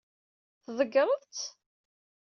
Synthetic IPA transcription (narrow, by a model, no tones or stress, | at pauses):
θðˤəɡəɾˤəðˤt͡s